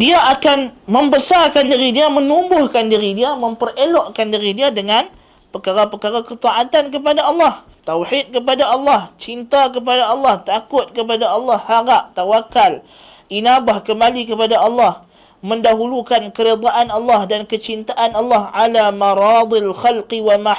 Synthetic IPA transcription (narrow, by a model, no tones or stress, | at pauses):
diaʔakanmə̃mbəsarkandiɾidiamənumbʊhkandiɾidiamə̃mpərelɔʔkandiɾidiadəŋan | pəkaɾapəkaɾakət̪ɑʔat̪ank̬əp̬adaɑlːɑh | t̪awħit̪̚kəp̬adaɑlːɑht͡ʃint̪ak̬əp̬adaɑlːɑht̪akʊt̪̚kəp̬adaɑlːɑhːaɾaʔ̚t̪awakːal | ʔinabahkəmbalikəpadaʔɑlːɑh | mə̃ndaɦulukankəɾed̪ˤaʔanɑlːɑhdankət͡ʃint̪aʔanɑlːɑhʕalamaɾɑd̪ˤialxalqiwama